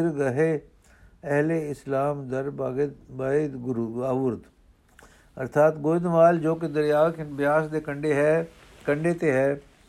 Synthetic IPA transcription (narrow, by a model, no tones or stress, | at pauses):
ɪɾɡɐɦe | ɛɦleɪslaːmd̪ɐɾb̪bad̪ɡɾaːʋʊɾd̪ | ɐɾt̪ʰaːt̪ɡoːd̪maːld͡ʒoːked̪ɐɾjaːkebjaːsd̪ekə̃ɳɖeɦɛ | kɐ̃ɳɖet̪eɦɛː